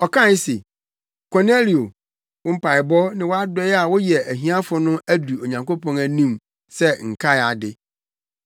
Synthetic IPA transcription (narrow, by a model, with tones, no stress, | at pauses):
ɔ˨kʰã˦˨˦se˨ | kʰɔ˨ne˦li˨o˨ | wʊ̃˦m̩˦pa˨ɪ˨bɔ˦nɪ̃˦wɔ˦a˦dɛ˦a˨wɔ˦jɛ˨æ˨ɦĩ˦ã˦fʊ˨nʊ̃˦æ˦du˨o˨ɲã˨ŋko˦pʰɔ̃˨næ˨nĩ˦˨m | sɛ˦ŋ̩˨kʰa˦ja˨dɪ˨